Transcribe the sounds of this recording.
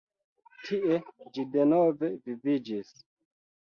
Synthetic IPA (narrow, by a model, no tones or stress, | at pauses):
tʰiʔed͡ʒidenove̞vivid͡ʒis